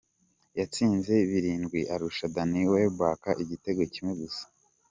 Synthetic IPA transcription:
jat͡siːnze̞βiɾiːnɡwiʔaɾuʃadaniwebwaːkaʔiɟite̞ɡwecimwe̞ɡusḁ

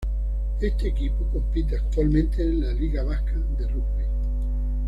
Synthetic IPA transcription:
e̞st̪eːkipokõ̞mpit̪̬eak̚t̪walmẽnt̪eːnlaliɣaβ̞ahkaðe̞rukβi

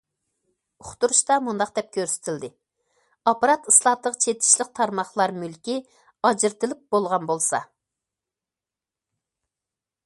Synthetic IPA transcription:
ʊχt̪uɾuʃt̪ɑmund̪ɑqd̪ɛp̚kʲʰøɾsɪ̥t̪ʰɪld̪ɪ | ɑpɑɾɑt̪ɨslˠɑt̪ˠəʁt͡ʃʰet̪ʰɪ̥ʃlɪq̚t̪ʰɑɾmɑχlˠɑɾmylkʲi | ɑd͡ʒɪɾt̪ɪlɪp̚bolˠʁɑnbolˠsɑ̰

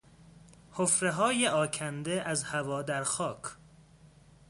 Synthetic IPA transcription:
hofɾeɦɒːjeʔɒːcʰænd̪eʔæzhævɒːd̪æɾxɒːkʰ

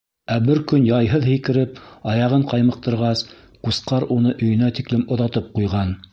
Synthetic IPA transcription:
æbɘɾkɵnjɑjɦɤðhɘ̆jkɘ̆ɾɘp̚ɑjɑʁɤɴqɑjmɤ̆q̚t̪ɤ̆ɾʁɑs | qusqɑɾunɤʔɵ̆jɵ̆næt̪iklɘmŏðɑt̪ɤp̚qujʁɑn

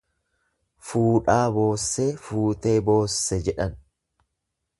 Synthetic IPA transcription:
fuːᶑaːbo̞ːsːɛfuːt̪e̞ːbo̞ːsːɛd͡ʒɛᶑɐn

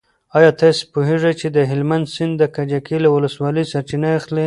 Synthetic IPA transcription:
ɑjɑt̪ɑspoɦeʐat͡ʃed̪əɦɪlmand̪sɪnd̪ːəkad͡ʒakelawʊləswɑləjsaɾt͡ʃinaaxle

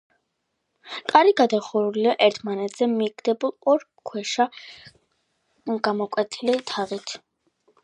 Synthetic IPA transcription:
kʼaɾiɡad̪aχuɾuliaʔɛɾt̪ʰmanɛt̪ʰz̥ɛmiɡd̪ɛbulˠɔɾ | kʰwɛʃa | ɡamɔkʼwɛt̪ʰilɛt̪ʰaʁit̪ʰ

